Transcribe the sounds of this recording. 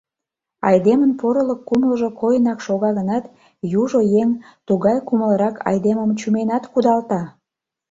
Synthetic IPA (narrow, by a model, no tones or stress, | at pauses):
ɑjd̪emənpoɾələkːuməlʒokojənɑkʃoɣɑɣənɑt̪ | juʒojeŋt̪uɣɑjkuməlɾɑkʰɑ̰jd̪eməmt͡ɕumenɑt̪kud̪ɑlt̪ɑ